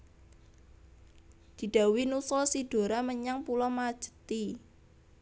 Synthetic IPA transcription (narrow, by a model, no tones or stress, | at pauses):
d̪̥i̤ɖ̪̥a̤winusɔsiɖ̥o̤ɾaməɲaŋpulɔmad̥ʒ̥ə̤̥t̪i